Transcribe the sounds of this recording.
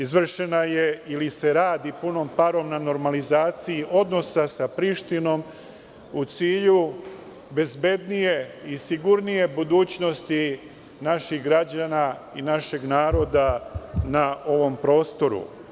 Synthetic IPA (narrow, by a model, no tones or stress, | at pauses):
izʋr̩ʃe̞naje̞ilise̞ɾaːd̪ipuno̞mpaɾo̞mnano̞ɾmalizaːt̪siiʔo̞d̪no̞sasapɾiʃt̪ino̞m | ut̪siːʎu | be̞zbe̞d̪nije̞isiɡuɾnije̞bud̪uːt͡ɕno̞st̪i | naʃixɡɾad͡ʑanainaʃe̞ɡnaːɾo̞d̪anao̞ʋo̞mpɾo̞ːst̪o̞ɾṵ